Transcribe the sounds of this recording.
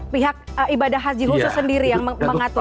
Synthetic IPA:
piɦak̚ibadahɦasd͡ʒiɦusʊsəndiɾijaŋməməŋat̪u

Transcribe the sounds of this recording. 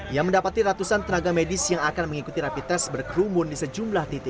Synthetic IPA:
jaŋməndapat̪iɾat̪usant̪ənaɡamedisjaŋakanməŋikut̪iɾapit̪ɛsbərkɾumʊndisəd͡ʒumlaht̪it̪i

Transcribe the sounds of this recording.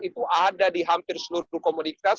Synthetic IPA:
it̪uʔadadiɦampɪrsəluɾukomunika

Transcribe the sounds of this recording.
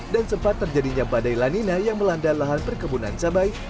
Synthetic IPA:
dansəmpat̪ːərd͡ʒadiɲabadajlaninajaŋməlandalaɦanpərkəbunant͡ʃabaj

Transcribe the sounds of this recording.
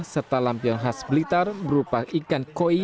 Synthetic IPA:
sərt̪alampiɔnɦasbəlit̪arbəɾupaʔikankoi

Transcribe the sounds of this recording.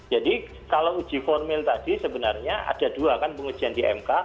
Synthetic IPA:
d͡ʒadi | kalaud͡ʒi̤fɔrmɪlt̪adisəbənarɲaʔa̰d̥aduakanpəŋu̥d͡ʒ̥iandiʔɛ̰mka

